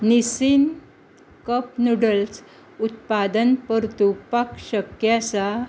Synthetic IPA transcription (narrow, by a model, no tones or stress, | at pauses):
nisin | kəpnuɽəls | ut̪̚pad̪ənpəɾt̪upakɕəkjasa